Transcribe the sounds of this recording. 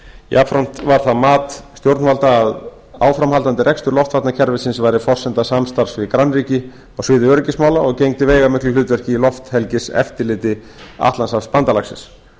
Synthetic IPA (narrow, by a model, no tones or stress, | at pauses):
jʔa̰pfɾɔn̥t̪vaɾ̥θaðmaːt̪st̪jowɾt̪nvalt̪aːð | a̰ːwfɾamɦalt̪ant̪ɪrʔɛjkst̪ʏɾlɔft̪fat̪nacʰɛɾvɪsɪnsvajɾɪfɔr̥sɛnt̪asamst̪aɾ̥svɪkɾanːriːcɪ | awsɪːðʏœɾʏcɪsmaːwlaɔɣcejŋt̪ɪveːjɣamɪt̪lʏlʏːt̪vɛr̥cɪilɔft̪hɛlcɪsɛ̰ft̪ɪlɪːt̪ɪ | a̰ht̪lansavspant̪alaksɪ̰ns